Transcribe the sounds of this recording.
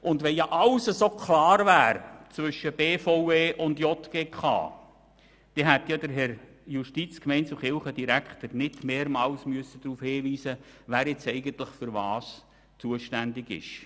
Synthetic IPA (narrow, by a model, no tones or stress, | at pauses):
ʊndʋɛnjɑʔɑlsəsoːkʰlɑːɾvæːɾt͡sʋʏʃːəb̥eːfoweːʔʊndjɔt̪ɡ̥eːkχɑ̰ː | d̥ɛɦæt̪jɑd̪əɾɦɛɾ | juʃtit͡skmɛɪnsuχɪlχəd̥iɾækχt̪əɾnɪdmeːɾmɑːlsmyəsːəd̥̪ɾuːfhɪːʋiːsəvæːɾjɛt͡sɛɪɡənt̪lɪχfʏɾʋɑːs | t͡suəʃtændɪɡɪ̰ʃ